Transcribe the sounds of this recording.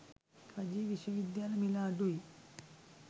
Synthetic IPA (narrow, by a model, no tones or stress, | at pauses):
kʰɐd͡ʒiːʋiʃɐʋid̪jaːlɐmilaːɖui